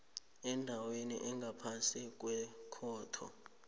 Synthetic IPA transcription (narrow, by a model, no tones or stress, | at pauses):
ɛndʱawenḭʔɛŋɡʱapʰansʼik̬ʼwɛkʰɔːtʰɔ̰